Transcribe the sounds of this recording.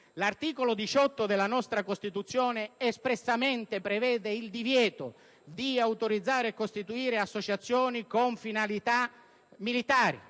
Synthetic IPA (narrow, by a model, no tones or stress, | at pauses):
lart̪iːkolod̪it͡ʃɔt̪ːod̪elːanɔst̪ɾakost̪it̪ut̪sːjɔːneːspɾesːament̪epɾevɛːd̪eild̪ivjɛːt̪o | d̪iawt̪oɾid̪zːaːɾeekːost̪it̪uiːɾeasːot͡ʃat̪sːjɔːnikoɱfinalit̪a | milit̪aːɾḭ